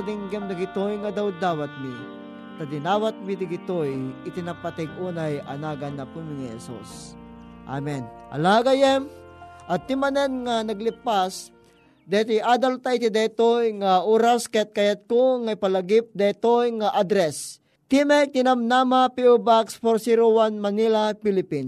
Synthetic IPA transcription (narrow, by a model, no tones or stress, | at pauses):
d̪ɪŋɡɛmd̪ɪɡɪt̪ojŋad̪awd̪aːwat̪̚mi | t̪ad̪ɪnaːwat̪̚mid̪ɪɡɪt̪ojɪt̪inapat̪ɛɡ̚uːnajʔɐ̰naːɡanːɐpumŋhɛ̰sṵs | ʔa̰mɛnʔɐ̰laɡajɛmʔɐt̪ːimanɛnŋanɐɡlipas | d̪ɛt̪iʔaːd̪alt̪ait̪id̪ɛt̪ojŋaʔuːɾaskɛt̪̚kajat̪̚koŋaipalaɡip̚d̪at̪ojŋaʔad̪ɾɛs | t̪imɛk̚t̪ɪnamnamapiubaksfoɾsiɾowanmanilapilipin